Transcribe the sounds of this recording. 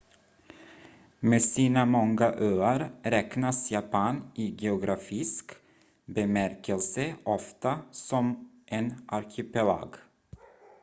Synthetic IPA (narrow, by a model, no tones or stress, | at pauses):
meːsiːnamɔŋɡaʔøːəɾɾɛknasjapʰɑːnɪɡɛʊɡɾafɪsk | bɛmæɾkəlsəʔɔft̪asɔm | ʔenʔaɾkʰɪpɛla̰ːɡ